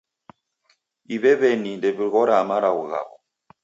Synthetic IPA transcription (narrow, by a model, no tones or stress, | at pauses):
iβɛβɛnindɛβiɣɔɾamaɾauɣa̰βɔ